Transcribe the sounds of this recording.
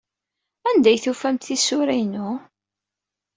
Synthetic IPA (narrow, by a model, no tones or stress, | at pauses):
ænd̪æjθufæmt̪θisʊɾæjnʊ